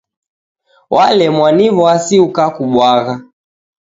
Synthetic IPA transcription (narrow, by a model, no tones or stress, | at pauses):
wʔalɛmwanivɔasiukakuɓwaɣa